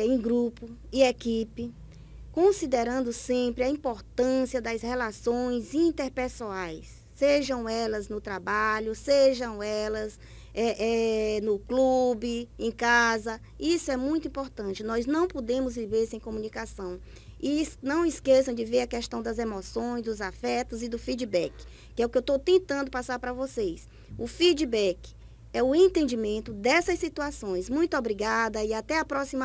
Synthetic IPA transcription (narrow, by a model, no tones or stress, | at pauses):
ẽj̃ɡɾupʊɪekipɪ | kõsid̪eɾɐ̃nd̪ʊsẽpɾɪɐĩpoɾt̪ɐ̃siɐd̪ɐshɛlasõj̃zĩnt̪eɾpesuajsːeʒɐ̃w̃ɛlɐznʊt̪ɾabaʎʊseʒɐ̃w̃ɛlɐz | ɛʔɛnʊklubɪẽj̃kazɐ | isʊɛmũj̃t̪ʊĩpoɾt̪ɐ̃t͡ʃɪnɔjznɐ̃w̃pod̪ẽmʊzviveɾsẽj̃kõmũnikasɐ̃w̃ | isnɐ̃w̃ɪskesɐ̃w̃d͡ʒɪveɾɐkɛʃt̪ɐ̃w̃d̪ɐzemɔsõj̃zd̪ʊzafɛt̪ʊzɪd̪ʊfid͡ʒibɛk | kːɪɛʊkɪewt̪owt̪ẽnt̪ɐ̃nd̪ʊpasaɾpɾɐvosejs | ʊfid͡ʒibɛk | ɛʊẽnt̪ẽnd͡ʒimẽnt̪ʊd̪ɛsɐssit̪uasõj̃zmũj̃t̪ʊobɾiɡad̪ɐiat̪ɛapɾɔsima